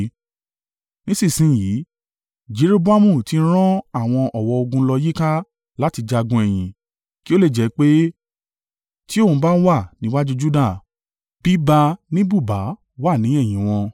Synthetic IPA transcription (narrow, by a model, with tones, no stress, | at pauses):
nĩ˦sĩ˦˨sĩ˨˦˨ji˨˦ | d͡ʒe˨˦ɾe˦bu˦a˦mũ˦˨tĩ˧˦ɾ̃ã˦a˦˨w̃ɔ̃˧ʔɔ˨wɔ˧o˧ɡũ˧lɔ˧ji˦ka˦ | la˦ti˧d͡ʒa˧ɡũ˧ɛ˨j̃ĩ˨ | ki˦o˦le˦˨d͡ʒɛ˨˦k͡pe˦ | ti˦o˦˨ũ˨˧ba˦wa˦˨nĩ˨˦wa˦d͡ʒu˦d͡ʒu˦da˦˨ | b̥i˦ba˧nĩ˦bu˦˨ba˨˦ | wa˦˨nĩ˨˦ɛ˦˨j̃ĩ˨˦w̃ɔ̃˧